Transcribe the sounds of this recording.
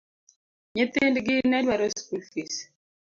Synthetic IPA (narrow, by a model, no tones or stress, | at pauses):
ɲet̪endɡɪnɛdwaɾoskulfis